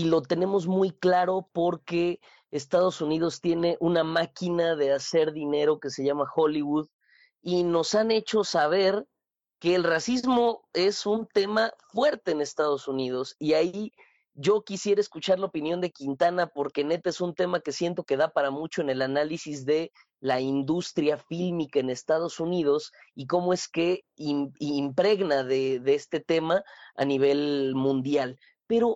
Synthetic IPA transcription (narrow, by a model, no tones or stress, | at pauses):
ilo̞t̪e̞ne̞mo̞zmujklaɾo̞po̞ɾke̞ː | st̪að̞o̞sunið̞o̞st̪je̞ne̞ʔunamakinaðe̞ase̞ɾðine̞ɾo̞ke̞se̞ʝamaxo̞liβuð | ino̞sane̞t͡ʃo̞saβ̞e̞ɾ | ke̞ːlrasizzmo̞e̞sunt̪e̞mafwe̞ɾt̪e̞ːne̞st̪að̞o̞sunið̞o̞siai | ʝo̞kisje̞ɾaeskut͡ʃaɾlaopinjo̞nd̪e̞kint̪anapo̞ɾke̞ne̞t̪aesunt̪e̞make̞sje̞nt̪o̞ke̞ðapaɾamut͡ʃoene̞lanalisizðe̞ | laind̪ust̪ɾjafilmikaene̞st̪aðo̞sunið̞o̞s | ik̬o̞mo̞e̞ske̞imːmpɾe̞ɣnaðeðeest̪e̞t̪e̞maa̰niβ̞e̞lmũnd̪jal | pe̞ɾo̞